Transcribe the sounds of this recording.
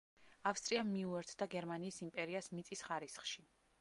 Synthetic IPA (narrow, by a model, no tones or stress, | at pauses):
afst̪ʼɾiamːiuɛɾt̪ʰd̪aɡɛɾmaniːsimpʼɛɾiasmit̪sʼisχaɾisχʃi